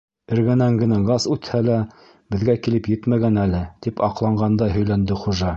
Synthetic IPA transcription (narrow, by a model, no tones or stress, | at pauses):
ɘ̆ɾɡænæŋɡɘ̆næɡɑsʉt̪hælæ | bɘ̆ðɡækilɘpjɘt̪mæɡænælɘt̪ipɑqlˠɑɴɢɑnd̪ɑɦɵ̆jlænd̪ɘχuʒɑ